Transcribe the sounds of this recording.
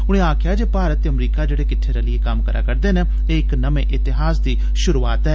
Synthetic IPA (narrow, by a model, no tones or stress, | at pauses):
ʊɽ̃ẽːaːkʰɪjaːd͡ʒeːpaːɾət̪ːeːəmɾiːkaːd͡ʒeːɽeːkɪʈ̪ʰːeːɾeːlɪeːkəmkəɾʔa̰ːkəɾd̪eːnẽː | eːɪknəmḛ̃ːʔɪt̪ɪɦaːsd̪iː | ʃʊɾuːaːt̪ɦɛː